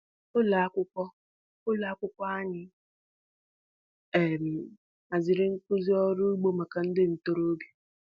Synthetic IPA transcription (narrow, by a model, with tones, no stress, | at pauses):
ʊ˦la˨a˦kʷʊ˦kʷɔ˦ | ʊ˦la˨a˦kʷʊ˦kʷɔ˦a˦ɲɪ˦ | e˨m̩˨ | a˨zɪ˨ɾɪ˦ŋ̩˦kʊ˦zi˦ɔ˦ɾʊ˦ɡ͡bo˦ma˨ka˨n̩˦dɪ˦n̩˨to˦ɾo˦bji̥˦